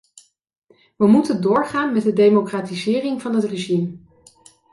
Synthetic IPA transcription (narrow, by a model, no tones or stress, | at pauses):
ʋəmutəndʊːɹχaːnmɛt̚dədejmokraːtizɪːrɪŋvɑnɦətreʒim